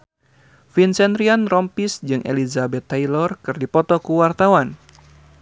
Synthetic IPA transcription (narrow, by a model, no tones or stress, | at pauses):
finsɛnd̪ɾianrɔmpisd͡ʒɨŋʔḛlizabɛt̪ːajlɔrkɨrdipɔt̪ɔkuwart̪awan